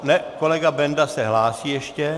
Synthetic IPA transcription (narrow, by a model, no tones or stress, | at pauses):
nɛko̞lɛɡabɛndasɛɦlaːsiːjɛʃcɛ